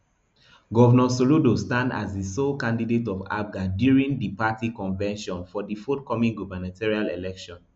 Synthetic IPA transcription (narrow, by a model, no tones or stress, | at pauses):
ɡɔvɛnɔsoludostãnda̰zdisokãndidetɔva̰b̚ɡadjuɹĩndipatikɔ̃nvɛ̃nʃɔ̃nfɔdifɔtkɔmĩŋɡuvanatʰɛɹialelɛkʃɔ̃n